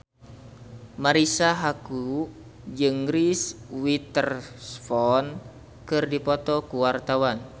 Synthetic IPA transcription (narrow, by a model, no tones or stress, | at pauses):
maɾisaɦaku | d͡ʒɨŋɾiswit̪ərsfɔn | kɨrdipɔt̪ɔkuwart̪awan